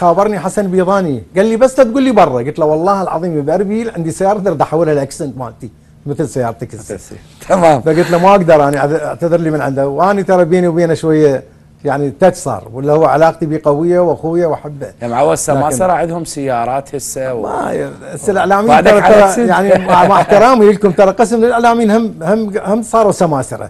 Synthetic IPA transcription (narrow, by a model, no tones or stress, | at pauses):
xaːbɑɾˤniħasanbiːðˤɑːniɡalːibasːlat̪̚ɡuːlːibɑrˤːɑɡʊlt̪lawɑlˤːɑːhɪlʕɑ̰ðˤiːmibaɾbilʕɪnd̪isajɑːɾˤd̪ɑɾt̪ħawːɪlhalʔaksɪnt̪ma̰ːnt̪i | mɪθɪlsajːɑːɾˤt̪akɪsːa̰ | t̪ʰamaːmfaɡʊlt̪lamaʔaɡd̪ɑɾˤʔaːniʔad̪ʔaʕt̪aðɪɾlimɪnʕɪnd̪awʔaːnit̪ɑɾˤɑbeːniwbeːnaʃwajːa | jaʕnit̪at͡ʃsˤɑ̰ːɾˤwɪlːahʊwːaʕalaːqt̪ibiːqawɪjːawʔaxwɪjːawʔaħabːamaʕwːasːaaaːɾˤɑʕɪd̪hʊmsajːɑːɾˤɑːt̪hɪsːawa̰basːalʔaʕlaːmiːnt̪ɑɾˤɑɑɾˤɑjaʕnimamaħt̪ɪɾˤɑːmililkʊmt̪ɑɾˤɑqəsmlɪlʔaʕlaːmiːnhamhamhamsˤɑːɾˤwsːamaːsɨ̰ɾɑ̰